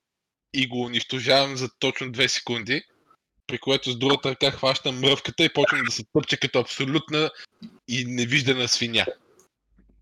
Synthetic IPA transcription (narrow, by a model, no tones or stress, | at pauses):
iɡoːniʃt̪oʒavɐmzɐt̪ɔt͡ʃnod̪vɛsɛ̥kund̪i | pɾikoɛt̪ʊzd̪ɾuɡət̪əɾɐkaxvaʃt̪əmɾɤfkət̪əipɔt͡ʃnəd̪ɐsɛt̪ɤpt͡ʃɛkɐt̪ɔɐpsolʲut̪nəinɛviʒd̪ɐnəsvinʲa̰